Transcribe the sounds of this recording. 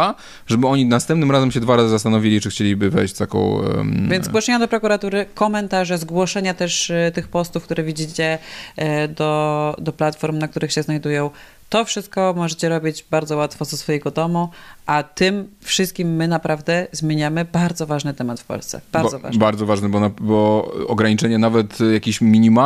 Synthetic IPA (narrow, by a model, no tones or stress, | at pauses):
a | ʐɛbɘɔɲinast̪ɛ̃mpnɘmɾazɛmɕɛd̪vaɾazɨzast̪anɔvʲilʲit͡ʂɘxt͡ɕelʲibɘvɛ̰jɕt͡ɕt̪akɔ̰̃w̰̃vvjɛnzɡwɔʂɛɲad̪ɔpɾɔkuɾat̪uɾɘkɔmɛnt̪aʐɛzɡwɔʂɛɲat̪ɛʂt̪ɘxpɔst̪ufkt̪uɾɛvʲid͡ʑit͡ɕɛ | d̪ɔd̪ɔplat̪fɔɾmnak̚t̪uɾɘxɕɛznajd̪ujɔ̃w̃ | t̪ɔfʂɘst̪̚kɔmɔʐɛt͡ɕɛɾɔbʲid͡ʑbaɾd̪zɔwat̪fɔzɛsfɔjɛɡɔd̪ɔmuʔat̪ɘmfʂɘst̪̚kʲimːɘnapɾʔavd̪ɛzmʲjeɲamɘbaɾd̪zɔvaʐnɘt̪ɛmat̪fpɔ̰lst̪sɛ̰b̥aɾɔva̰baɾd̪zɔvaʐnɛbɔnabɔɔɡɾaɲit͡ʂɛɲɛnavɛt̪jakʲiɕmʲiɲima